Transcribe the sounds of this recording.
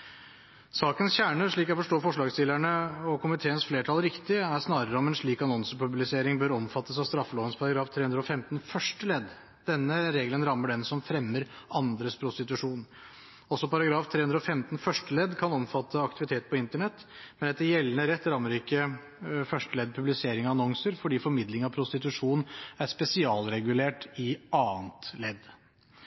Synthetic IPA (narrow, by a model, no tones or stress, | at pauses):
sɑːkənsçæːɳəɾʂɭiːkɛfɔʂʈoːfɔʂɭɑːɡst̪ɪlæɳəɔkʰʊmɪt̪ʰeːənsfleːʈʰɑlɾɪkt̪ɪæsnɑːɾəɾəɔmɛnʂɭiːkɑnɔnsəpʉblɪseːɾɪŋbøːɾɔmfɑt̪ːəsɑʋst̪ɾɑfːəloːʋənspʰɑɾɑɡɾɑːft̪ʰɾeːʉnd̪ɾɔfɛmt̪nfœʂʈəlɛd̪ | d̪̥ɛnːəɾeːɡlənɾɑmːəɖɛnsɔmfɾɛmːəɾʔɑnd̪ɾəspʰɾʊst̪ɪt̪ʉʂuːn | ɔsːɔpɑɾɑɡɾɑːft̪ʰɾeːʉnd̪ɾəɔfɛmt̪n̩fœʂʈəlɛd̪kʰɑnɔmfɑt̪ʰːəɑkt̪ɪʋɪt̪ʰeːt̪pʰɔɪnt̪əɳɛt̪ː | mɛnɛt̪ːəjɛlːənəɾɛt̪ːɾɑmːəɾɪkːə | fœʂʈəlɛd̪̚pʰʉblɪseːɾɪŋɔɑnɔŋsəɾfɔɖiːfɔɾmɪd̪lɪŋɑʋpʰɾʊst̪ɪt̪ʉʂuːnn̩æɾspɛsɪɑːlɾɛɡʉleːʈɪɑːnt̪lɛd̪